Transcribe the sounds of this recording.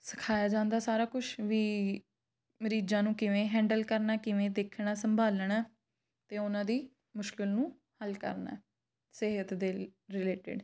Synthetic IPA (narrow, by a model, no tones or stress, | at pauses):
sə̥kʰaːjaːd͡ʒãːnd̪aːsaːɾaːkʊt͡ʃʰʋiː | məɾiːd͡ʒãːnũːkɪʋẽːɦɛ̃ːɳɖəlkəɾnaːkɪʋẽːd̪eːkʰɳaːsəmbʱaːlɳaː | t̪eːʊnãːd̪iː | mʊʃkɪlnũː | həlkə̰ɾna̰ːɛ | sɪɦət̪d̪eːlɾɪleːʈɪ̰ɖ